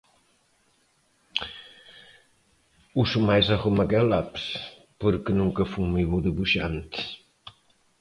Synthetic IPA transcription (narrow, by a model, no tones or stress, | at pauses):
usumajzaɣomaɣɛlaps | poɾkenuŋkəfumiβud̪əβuʃa̰nt̪